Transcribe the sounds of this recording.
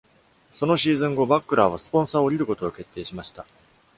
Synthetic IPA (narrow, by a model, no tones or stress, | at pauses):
so̞no̞ɕiːzɨ̃ŋɡo̞bakːɯ̟ɾaβ̞asɨ̥põ̞ɰ̃saːoɾʲiɾɯ̟ko̞t̪oːke̞t̪ːeːɕimaɕi̥t̪a